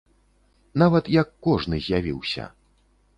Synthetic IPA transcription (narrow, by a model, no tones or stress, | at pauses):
navɐt̪jɐkːɔʐnɨzʲjavʲiwsʲɐ̰